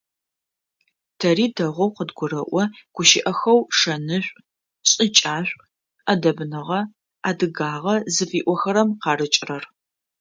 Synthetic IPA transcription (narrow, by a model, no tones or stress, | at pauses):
tʰɐriːdɐʁʷɔwqədɡʷʊɾɐʔʷɔɡ̥ʷʊʃɪʔɐxɐwʂɐnɨɕʷʼ | ɕʼɪt͡ʃʼaːɕʷʼ | ɐdɐbɨnɨʁɐ | aːdɨɡaːʁɐzɨfiːʔʷɔxɐɾɐmqɑːɾɨt͡ʃʼrɐr